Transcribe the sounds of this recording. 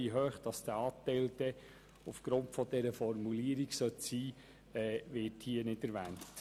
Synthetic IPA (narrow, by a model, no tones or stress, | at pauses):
iɦøːχd̥ɑsd̥əɑːtɛɪld̥̪ɛ | ufɡ̥ɾʊntfɔd̥̪ɛɾəfɔrmuliəɾiɡsœt̪siː | ɛːʋɪthiənɪdɛɾʋæːnt